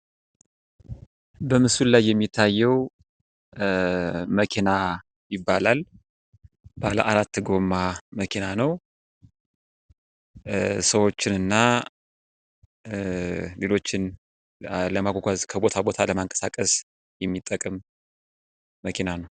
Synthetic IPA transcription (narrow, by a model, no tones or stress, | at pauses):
bəmɨsullajːɛmːit̪ʰːajːɛw | məkʰina | jɪbːalal | b̥aləʔaɾat̪ːɡo̞mːaməkʰinanəw | səwo̞t͡ʃːɪnɨnːa | le̞lo̞t͡ʃːɪn | ləmaɡʷoɡʷazkʰəbo̞t̪ʰabo̞t̪ʰaləmaŋkʼə̥sakʼəs | jɛmːit̪ʼːəkʼɨm | əkʰinanəw